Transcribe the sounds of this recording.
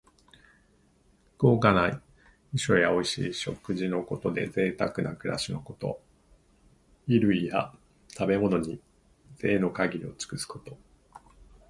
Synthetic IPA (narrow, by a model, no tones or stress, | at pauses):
ɡ̥o̞ːkanai | iɕo̞̰jao̞iɕḭːɕo̞kɯʑino̞ko̞t̪o̞d̪e̞̰ze̞ːt̪akɯ̟na̰kɯ̟ɾʔa̰ɕino̞ko̞t̪o̞̰ | iɾɯ̟ija̰ | t̪abe̞mo̞no̞ɲ̟i | z̥e̞ːno̞kaɡʲiɾʲio̞t͡sɨ̥kɯ̟sɨ̥ko̞̥t̪o̞